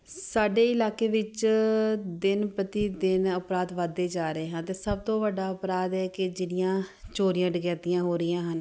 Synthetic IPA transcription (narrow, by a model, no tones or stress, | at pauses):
saːɖeːɪlaːkeːʋɪt͡ʃ | d̪ɪnpət̪iːd̪ɪnəpɾaːd̪ʋəd̪ːeːd͡ʒaːɾəeːɦãːt̪eːsəb̚t̪õːʋəɖaːəpɾaːd̪ɛːkɪd͡ʒɪnɪjãːt͡ʃoːɾɪjãːɖəɡɛːt̪ɪjãːɦoːɾɪjãːɦən